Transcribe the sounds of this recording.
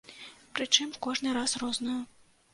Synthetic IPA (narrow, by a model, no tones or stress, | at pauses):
pɾɨt͡ʂɨmkɔʐnɨɾasrɔznɐjɐ